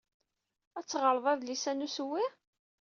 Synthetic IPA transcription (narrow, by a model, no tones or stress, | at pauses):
æt͡sːʁəɾˤðˤæðlisænuswːɪ